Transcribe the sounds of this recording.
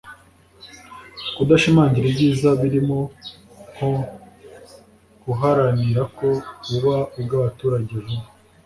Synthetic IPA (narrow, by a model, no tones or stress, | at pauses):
kudaʃimaːɲɟiɾibɟiːzaβiɾimo̞ | ko | ɡuɦaɾaniɾako̞uβaubɡaβatuːɾaɟe̞βu